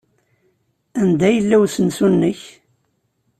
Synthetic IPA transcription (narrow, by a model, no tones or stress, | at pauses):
ænd̪æjəlːæwsənsunːəç